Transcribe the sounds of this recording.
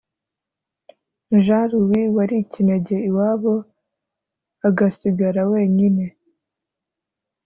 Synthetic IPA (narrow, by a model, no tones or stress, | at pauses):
ʒaɾuwiwaɾicineɟe̞iwaːβo̞ | aɡasiɡaɾawe̞ːɲine̞